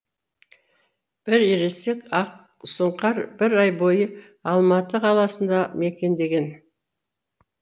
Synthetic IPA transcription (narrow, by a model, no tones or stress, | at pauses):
b̥ɪɾeɾe̞sekɑq̚ | səɴqɑɾb̥ɪɾɑjbo̞jə | ɑlˠmɑt̪əqʰɑlˠɑsənd̪ɑme̞kʲe̞nd̪e̞ɡʲe̞n